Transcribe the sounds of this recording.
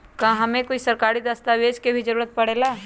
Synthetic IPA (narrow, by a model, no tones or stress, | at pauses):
kãːɦɐmẽkoːisɐɾkaːɾid̪ɐst̪aʋeːd͡ʒkebʱid͡ʒəɾuːɾət̪̚pɐɽeːlaː